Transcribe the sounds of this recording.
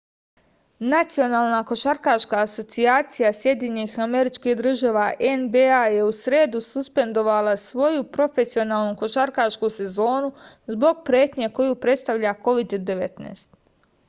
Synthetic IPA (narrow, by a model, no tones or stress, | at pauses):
nat̪sijo̞naːlˠnako̞ʃaɾkaʃkaːso̞t̪siaːt̪sijasje̞d̪jeɲenixame̞ɾit͡ʃkihd̪ɾr̩ʒaːʋaʔenbeaje̞usɾe̞ːd̪ususpe̞nd̪o̞ʋalˠasʋo̞jupɾo̞fe̞sio̞naːlˠnuko̞ʃaɾkaʃkuse̞zo̞ːnu | zbo̞ɡ̚pɾe̞ːt̪ɲeko̞jupɾe̞t̪st̪aʋʎako̞ʋid̪ːe̞ʋet̪nḛːst̪